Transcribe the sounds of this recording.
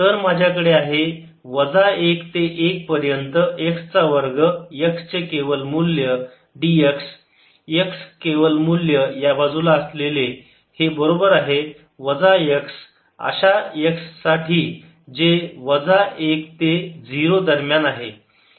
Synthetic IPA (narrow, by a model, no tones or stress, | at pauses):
t̪əɾmad͡ʑʱjakəɽeaɦe | ʋəd͡zaekt̪eʔek̚pəɾjənt̪əʔekst͡saʋəɾɡəjəkst͡sekeʋəlmuljə | ɖieks | əkskeʋəlmuljəjabad͡zulaəslele | hebəɾobəɾaɦe | ʋəd͡zajəks | ə̰ɕajəksːaʈʰiː | d͡ʑeʋəd͡zaekt̪ed͡ziɾod̪əɾmjanaɦe